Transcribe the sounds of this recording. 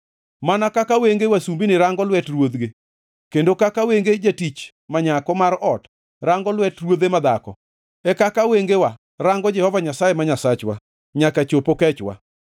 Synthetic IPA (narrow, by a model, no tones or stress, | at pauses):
manakakaweŋɡewasumbinɪɾaŋɡɔlwɛtrwod̪ɡe | kendokakaweŋɡed͡ʒatit͡ʃ | maɲakɔmaɾɔt | ɾaŋɡɔlwɛtrwod̪emad̪akɔ̰ | ɛkakaweŋɡewa | ɾaŋɡɔd͡ʒɛhɔvaɲasajemaɲasat͡ʃwa̰ | ɲakat͡ʃopokɛt͡ʃwa̰